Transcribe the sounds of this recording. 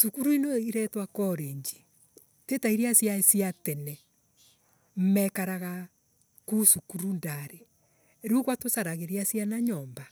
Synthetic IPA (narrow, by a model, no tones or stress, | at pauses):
sukuɾuinoiɾɛtwakɔɾeɲd͡ʒi̥ | tetaiɾiasjaesiatɛnɛ | m̩mɛkaɾaɣa | kusukuɾundaɾe | ɾuɣwatosaɾaɣeɾiasjanaɲɔːmba